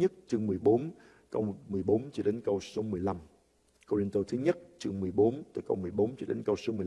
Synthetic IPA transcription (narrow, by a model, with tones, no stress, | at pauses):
ɲə˦˥t̚t͡ɕɨ˧əŋmɨ˨˩əjɓo˨˦n | kə̰˧wmɨ˨˩əjɓo˨˦nt͡ɕɔ˧ɗe˨˦nkə˧wso˨˦mɨ˨˩əjla˧m | ko˧ɾi˧nt̪o˧t̪ʰɨ˨˦ɲə˦˥t̚t͡ɕɨ˧əŋmɨ˨˩əjɓo˨˦nt̪ɨː˨˩jkə˧wmɨ˨˩əjɓo˨˦nt͡ɕɔ˧ɗḛ˨˦nkə˧wso˨˦mɨ˨˩